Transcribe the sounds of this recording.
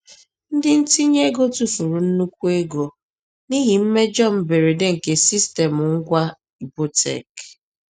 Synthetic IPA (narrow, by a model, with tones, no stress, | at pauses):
n̩˦dɪ˦n̩˦ti˦ɲe˦ɡo˦tu˨fu˨ɾu˨n̩˦nu˦kʷu˦e˦ɡo˨ | ni˦ɦi˨m̩˦me˦d͡ʒɔ˦m̩˨be˨ɾe˨de˦ŋ̩˨ke˨si˦ste˨mʊ˨ŋ̩˦ɡʷa˦ | i˨bo˦tʰḛ˨k